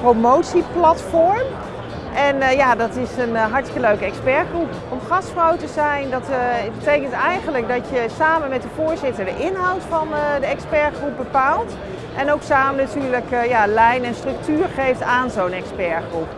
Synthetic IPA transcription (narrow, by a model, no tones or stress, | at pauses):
promowtsiplɑtfɔɹm | ʔɛnjaːdɑtɪsənɦɑɹtkəløɥkəɛkspɛɹχrup | ɔmχɑstfrɔwtəzɛjndɑtbətejkəntɛjχənlək̚dɑtjəsaːmənmɛtdəvʊːɹzɪtəɹdəʔɪnɦɑwtfɑndəɛkspɛɹχrup̚bəpaːlˠt | ʔɛnowksaːmənatyːɹləkjaːlɛjnɛnstrɵk̚tyːɹχejftaːnzownɛkspɛɹχrup